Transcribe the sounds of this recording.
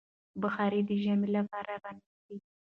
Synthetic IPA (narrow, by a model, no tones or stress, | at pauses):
bəxɑɾid̪əʒamelapɑɾaɾɑnisi